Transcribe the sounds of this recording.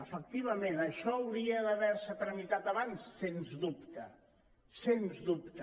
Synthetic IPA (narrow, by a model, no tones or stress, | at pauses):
əfək̚t̪iβ̞əmenəʃɔəwɾiəðəβɛɾsət̪ɾəmit̪at̪aβansːenzðupt̪ə | senzðupt̪